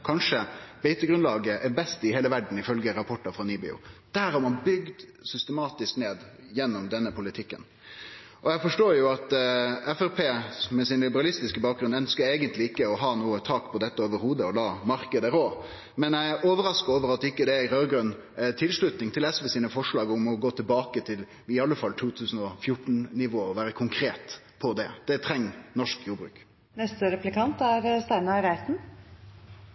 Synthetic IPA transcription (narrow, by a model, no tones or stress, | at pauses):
kʰɑnʂəb̥ɛɪt̪əɡɾʉnlɑːɡəʔɛɾbɛst̪ɪheːləʋæɖn̩ɪfœlɡəɾɑpʰɔʈːɑfɾɑniːbɪ̰ʊ̰d̪̥æɾɔmɑnbʏɡd̪sʏst̪əmɑːt̪ɪskneːd̪ | jɛnːɔmd̪ɛnːəpʰʊlɪt̪ʰɪkːə̰n | ʔɔjæɪfɔʂʈoːjʊɑt̪ɛfæɾpʰeːmɛsɪnlɪbəɾɑlɪst̪ɪskəbɑːk̚ɡɾʉnœnskəeːɡənt̪lɪɪkːəɔɦɑːnuːət̪ʰɑːkpʰɔd̪ɛt̪ːəoːʋəɾhuːd̪əɔlɑːmɑɾkəd̪əɾoː | mɛnæɪoːʋəɾɑskəoːʋəɾɑt̪ːɪkːəd̪ɛɾøːɾɡɾʉn | ɛt̪ʰɪlʂɭʉt̪nɪŋt̪ʰɪlɛsʋɛsiːnəfɔʂɭɑːɡʊmɔɡoːt̪ʰɪlbɑːkət̪ʰɪl | ɪɑlːəfɑlːt̪ʰuːt̪ʰʉːsn̩ɔfjʊʈn̩nɪʋoːɔʋæːɾəkʰʊŋkʰɾeːt̪ | pʰɔd̪ɛd̪̥ɛt̪ʰɾɛŋːnɔʂkjuːɾbɾʉ̰ːk | nɛst̪əɾɛplɪkʰɑnt̪æɾst̪æɪnɑɾæɪt̪n̩